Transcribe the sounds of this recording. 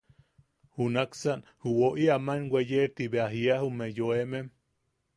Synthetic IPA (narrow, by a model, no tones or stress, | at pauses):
hunaksanhuwoʔiamanwejeɾt̪iβeaɦiahumejoemem